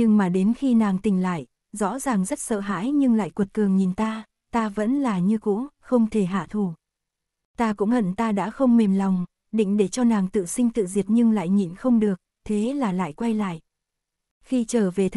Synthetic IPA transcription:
ɲɨ˧ŋmaː˨˩ɗe˨˦nxi˧naː˨˩ŋt̪ï˨˩ŋ̟la̰ː˧˨j | zɔ̰˧˥zaː˨˩ŋzə˦˥t̚sə̰ː˧˨ɦa̰ː˧˥jɲɨ˧ŋla̰ː˧˨jkwu˨˩t̚kɨ˨˩əŋɲi˨˩nt̪aː˧ | t̪aː˧və̰˧˥nlaː˨˩ɲɨ˧kṵ˧˥xə˧wŋ͡mt̪ʰe˧˩ɦa̰ː˧˨t̪ʰu˧˩ | t̪aː˧kʊ̰˧˥ŋ͡mhə̰˧˨nt̪aː˧ɗa̰ː˧˥xə˧wŋ͡mme˨˩mla˨˩wŋ͡m | ɗḭ̈˧˨ŋ̟ɗe˧˩t͡ɕɔ˧naː˨˩ŋt̪ɨ̰˧˨sï˧ŋ̟t̪ɨ̰˧˨zi˨˩ət̚ɲɨ˧ŋla̰ː˧˨jɲi˨˩nxə˧wŋ͡mɗɨ˨˩ək̚t̪ʰe˨˦laː˨˩la̰ː˧˨jkwa˧jla̰ː˧˨jʔ | xi˧t͡ɕəː˧˩ve˨˩t̪ʰ

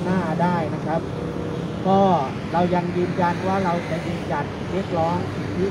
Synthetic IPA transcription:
naː˥˩daː˥˩jna˦˥kʰɾa˦˥p̚ | kɔː˥˩ | ɾa˧wja˧ŋjɯː˧nja˧nwaː˥˩ɾa˧wt͡ɕa˧˥jɯː˧nja˧n˩we˦˥˩t̪̚ɾɔː˦˥ŋsʰi˨˩t̪ʰi˦˥

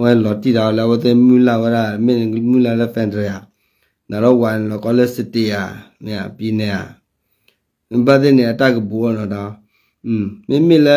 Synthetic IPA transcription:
wɛ˦˨lɔ˨ti˦da˨wɔ˨la˨˦wɛ˦te˦mu˦la˨wɛ˦ɾa˦˨˦me˦n˨˦mu˦la˨lɛ˦fɛ˨ndɛ˨ja˨ | na˨ɾɔ˦wa˨n˨lɔ˨kɔ˦lɛ˦sɪ˨ti˨ja˨mi˨ja̰˨pi˦nɛ˨ja˨˦ | ba˦te˦nɛ˨a˨ta˦kə˨bo˨wɔ˦˨nɔ˨da˨˦˨ | me˦mi˦lɛ˦

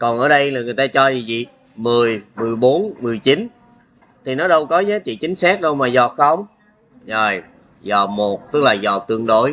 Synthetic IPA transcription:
kɔ˨˩nʔəː˧˩ɗə˧jlaː˨˩ŋɨ˨˩jt̪aː˧t͡ɕɔ˧zi˨˩zḭ˧˨ | mɨ˨˩əjmɨ˨˩əjɓo˨˦nmɨ˨˩əjt͡ɕi˨˦n | t̪ʰi˨˩nɔ˨˦ɗə˧wkɔ˨˦zaː˨˦t͡ɕḭ˧˨t͡ɕï˨˦ŋ̟saː˦˥k̚ɗə˧wmaː˨˩zɔ˨˩xə˧wŋ͡m | zo˨˩j | zɔ˨˩mo˨˩t̚t̪ɨ˦˥k̚laː˨˩zɔ˨˩t̪ɨ˧əŋɗo˧˦j

